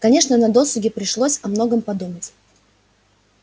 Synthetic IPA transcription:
kɐnʲe̞ʂnənɐd̪o̞sʊɡʲɪpɾʲɪʂlˠosʲɐmno̞ɡəmpɐd̪umətʲ

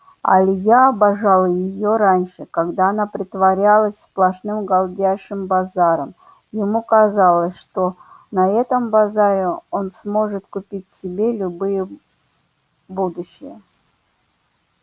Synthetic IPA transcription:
a̰lʲɪjaːbɐʐalˠəjɪjoɾanʲʂɨkaɡd̪aːnapɾʲɪt̪vɐɾʲalˠəsʲsplˠɐʂnɨmɡalˠdʲæjʂɨmbazaɾəm | jɪmukɐzalˠəsʲʂt̪o̞ | nɐɛt̪əmbazaɾʲɪo̞nsmo̞ʐɨt̪kʊpʲitʲsʲɪbʲelʲʊbɨjə | bud̪ʊɕːɪ̰jə

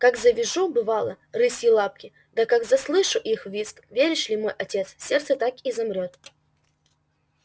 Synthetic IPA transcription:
kakzəvʲɪʐubɨvalˠə̰ | rɨsʲjɪlˠap̚kʲɪ | d̪akakzɐslˠɨʂʊʔixvʲisk̪vʲeɾʲɪʂlʲimo̞jʔɐtʲe̞t̪ssʲe̞rt̪sət̪akizɐmɾʲo̞t̪

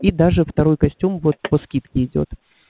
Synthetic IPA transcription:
id̪aʐɨft̪ɐɾo̞jkɐsʲtʲumvo̞t̪̚pɐskʲit̪kʲɪɪdʲo̞̰t̪

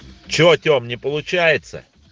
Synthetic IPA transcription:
t͡ɕɪot̪ʲomnʲɪpəlˠʊt͡ɕæjɪt̪sə̰

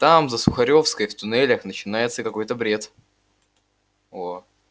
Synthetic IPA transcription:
t̪amzəsʊxɐɾʲo̞fskəjft̪ʊnɛlʲəxnət͡ɕɪnajɪt̪səkɐko̞jt̪əbɾʲe̞t̪ | o

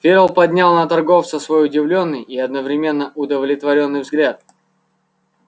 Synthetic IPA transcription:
fʲeɾəlˠpɐdʲnʲalˠnət̪ɐrɡo̞ft̪səsvo̞jʊdʲɪvlʲo̞nːɨjiɐd̪nəvɾʲɪmʲe̞nːəʔʊd̪əvlʲɪt̪vɐɾʲo̞nːɨjvzɡlʲat̪̚

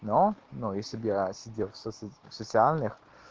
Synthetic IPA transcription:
nonujesʲlʲɪbjasʲɪdʲelˠfsofsət̪sɨalʲnɨx

